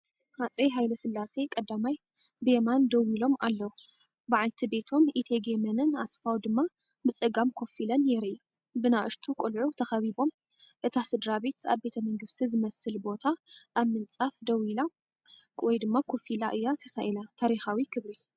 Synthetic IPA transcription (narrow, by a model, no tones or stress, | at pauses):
hat͡sʼejɦajlɐsɨlːase̞kʼɐd̪ːamaj | bemand̪ɐwilo̞malːɐwu | baʕalt̪ʰibe̞t̪ʰo̞mʔit̪ʰeɡemɐnɨna̰sfawd̪ɨmːa | bɨt͡sʼɨɡamkʰo̞filɐnːɛɾɨːu | bɨnaʔɨɾt̪ʰukʼulʕut̪ʰɐxɐβibo̞m | ʔɨt̪ʰasɨd̪ɾabe̞t̪a̰βbe̞t̪ʰɐmɐŋɡɨst̪ʰizɨmɐsɨlbo̞t̪ʰaʔːβmɨnt͡sʼafd̪ɐwila | wɔjd̪ɨmːakʰo̞filaʔɨjːat̪ʰɐsaʔilat̪ʰaɾixawikʰɨβɾi